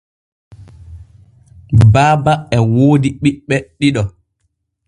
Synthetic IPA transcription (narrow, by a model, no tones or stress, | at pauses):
baːbaɛwoːdiɓiɓːɛɗiɗɔ